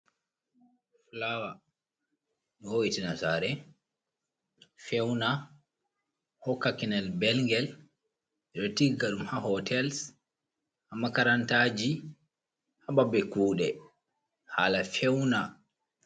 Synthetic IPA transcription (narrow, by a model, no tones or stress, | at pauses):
flawa | ɗɔhoitinasaːɾɛ | fɛwna | hɔkːakinɛlbɛlŋɡɛl | ɛɗɔtiɡaɗumhahɔtʰɛls | hamːakaɾantaːd͡ʒi | hababɛkuːɗɛ | ha̰lafɛwna